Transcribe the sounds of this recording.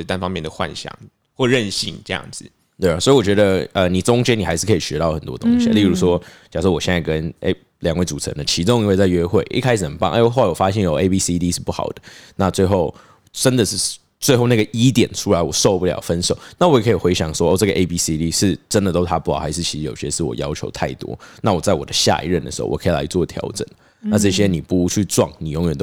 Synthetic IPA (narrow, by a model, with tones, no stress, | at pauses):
t̪a˥nfɑ˥ŋmjɛ˥˩ndə˩xwa̰˥˩nɕjɑ̰˨˩˦ŋ | xwɔ˥˩ɻə˥˧nɕi˥˧˩ŋʈ͡ʂɤ˥˧jɑ̰˥˩ŋd͡zɹ̩˩ | t̪we˥˩˨sɔ˧˥i˨wɔ˨˩t͡ɕɥɛ˧˥d̪ə˧ə˨ni˨˩t͡sʊ˥ŋt͡ɕjɛ˥ni˨˩a˧ɪʂɻ̩˥˩kʰə˧˥i˨˩ɕɥɛ˧˦˥t̪ɑ˥˩ʊxə˨˩nt̪wɔ̰˦t̪oʊ˦˥ŋḭ˨˥li˥˩ɻu˧˥ʂwɔ˥t͡ɕjɑ˨˩ʂɔ˥˩wɔ˨˩ɕjɛ˥˧nt͡sa˥˩kə˦nḛ˥˩ɪ | ljɑ˨˩ŋwe˥˩ɪt͡su˨˩t͡sʰə̰˦nd̪ə˨t͡ɕʰi˧˥ʈ͡ʂʊ˥ŋi˥nwe˥˧ɪt͡sa˥˩ɪɥɛ˥xwe˥˩ɪʔḭ˥˧kʰa˥ɪʂɻ̩˨˩nə˧˦npɑ˥˦ŋʔxo˥˩la˧ɪwɔ˨˩fa˥ɕjɛ˥˩njo˨ʊe˥pi˥si˥d̪i˦˥ʂɻ̩˥˧pu˥˩xɑ̰˨˩ʊd̪ə˦na˥˧t͡swe˥˧ɪxo˥˩ʊ | ʈ͡ʂə˦nd̪ə˨ʂɻ̩˥˩ | t͡swe˥˧ɪxo˥˧ʊna˥˩ɡə˩ʔi˦˥t̪jɛ˨˩nʈ͡ʂʰu˥la˧˦ɪwɔ˨˩ʂo˥˧ʊpu˥˩ljɑ̰˨˩ʊfə˦nʂo˨˩˦ʊna˥wɔ˧˥jɛ˨˩kʰə˧˥i˨˩xwe˧˥ɪɕjɑ̰˨˩ŋʂwɔ˥o˥˧ʈ͡ʂɤ˥˩ɡə˩˨ʔe˥ɪpi˥si˥d̪i˥ʂɻ̩˥˩ʈ͡ʂə˦nd̪ə˨t̪o˥ʊt̪ʰa˥pu˥˩xɑ˨˩ʊxa˧˥ɪʂɻ̩˥˩t͡ɕʰi˧˥ʂɻ̩˧jo˨ʊɕjɛ˥ʂɻ̩˥˩wɔ̰˨˩jɑ˥ʊt͡ɕʰjo̰˧˥ʊt̪ʰa˥˩ɪt̪wɔ̰˦na˥˩wɔ˨˩t͡sa˥˩ɪwɔ̰˨˩d̪ə˦ɕja̰˥˧ḭ˥˧ɻə˥˩nd̪ə˩ʂɻ̩˧˥xo̰˥˩wɔ˨˩kʰə˧˥i˨la̰˧˥ɪt͡swɔ˥˨˩t̪ʰjɑ̰˧˥ʊʈ͡ʂə̰˨˩nə˦ | na˥˧ʈ͡ʂɤ˥˩ɕjɛ˥˦ni˨˩pu˥˩u˧˥t͡ɕʰy˥˧ʈ͡ʂwɑ̰˥˩ŋni˨˩jo˧˥ŋɥɛ˨˩nt̪